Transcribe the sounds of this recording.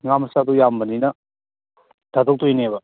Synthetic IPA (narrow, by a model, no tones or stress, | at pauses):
ŋamsadujambəninɐ | dadɔk̚tojnebɐ